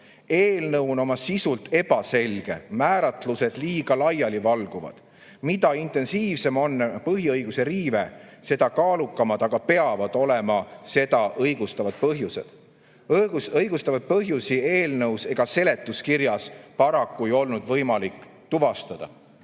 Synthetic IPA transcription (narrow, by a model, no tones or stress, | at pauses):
e̞ːlnɤwno̞mɑsisult̪ʰːe̞b̥ɑse̞lʲɡ̥e̞̰mæːɾɑt̪luse̞d̪̥liːɡ̥ɑlɑjɑlivɑlɡ̥uvɑ̰d̪̥ | mit̪ɑint̪e̞nsiːvse̞mo̞nːpɤɦiɤjɡ̥use̞ɾiːvese̞d̪ɑkɑːlukːˑɑmɑd̪̥ɑɡ̥ɑpe̞ɑvɑd̪̥o̞lemɑse̞d̪ɑʔɤjɡ̥ust̪ɑvɑd̪̥̚pɤɦjuse̞̰d̪̥ | usɤjɡ̥ust̪ɑvɑd̪̚pɤɦjusie̞ːlnɤwse̞ɡ̥ɑse̞le̞t̪ːˑuskiɾjɑspɑɾɑkːuejo̞lnud̪vɤjmɑlikː | t̪uvɑst̪ɑd̪̥ɑ̰